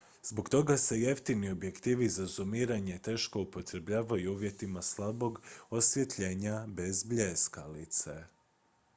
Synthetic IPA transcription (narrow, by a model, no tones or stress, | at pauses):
z̥bo̞ɡt̪o̞ɡase̞je̞ft̪inio̞bje̞kt̪iːʋizazumiːɾaɲe̞t̪e̞ːʃko̞upo̞t̪ɾe̞bʎaːʋajuuːʋje̞t̪imaslˠabo̞ɡo̞sʋje̞t̪ʎe̞ːɲabe̞zbʎeskalit̪se